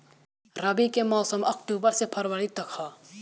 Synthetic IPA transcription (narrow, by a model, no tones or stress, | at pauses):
ɾɐbikemɔːsəmɐkʈuːbəɾsepʰɐɾwəɾit̪ɐkʰhaː